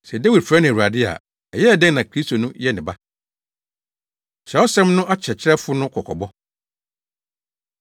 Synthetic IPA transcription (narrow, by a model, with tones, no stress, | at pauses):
sɛ˨dæ˦wi˨dfɾã˦nɪ̃˨wu˨a˨dɪ˦a̰˨ | ɛ˨jɛ˦ɛ˨dɛ̃˦ŋnã˨kʰɾi˦stʰo˨nʊ̃˦jɛ˦nɪ̃˨ba˦ | t͡ɕʰɾɛ˨ɔ˦sɛ̃˦mnʊ̃˦ʔa˦t͡ɕʰɛ˨t͡ɕʰɪ˦ɛ˦fʊ˦nʊ̃˦kʰɔ˨kʰɔ̰˨bɔ˦